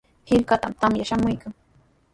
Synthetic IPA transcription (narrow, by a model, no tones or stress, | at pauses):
hɪlkat̪amt̪amjaʃamʊjkaŋ